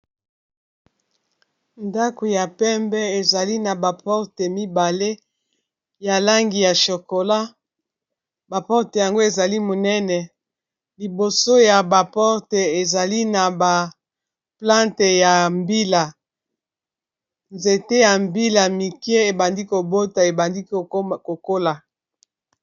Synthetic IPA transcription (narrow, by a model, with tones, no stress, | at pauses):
nda˦ko˨ja˨pɛ˦mbɛ˦e˨za˨li˦na˨ba˨pɔ˦ʁte˨mi˦ba˨le˦ | ja˨la˦ŋɡi˨ja˨ʃo˨ko˨la˦ | ba˨pɔ˦ʁte˨ja˨ŋɡo˦e˨za˨li˦mo˨nɛ˦nɛ˨ | li˨bo˨so˦ja˨ba˨pɔ˦ʁte˨e˨za˨li˦na˨ba˨ | plã˦nte˨ja˨mbi˦la˨ | nze˨te˦ja˨mbi˦la˨mi˨kje˦e˨ba˨ndi˦ko˨bo˦ta˨e˨ba˨ndi˦kko˨ko˦la˨